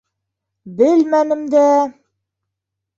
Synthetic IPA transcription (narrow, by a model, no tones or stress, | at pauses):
bɘlmænɘ̆md̪æ